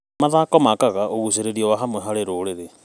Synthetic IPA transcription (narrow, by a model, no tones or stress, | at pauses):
maðaːkɔmakaɣaʔoɣuseɾeɾiɔwaɦamwɛɦaɾeɾoːɾeɾe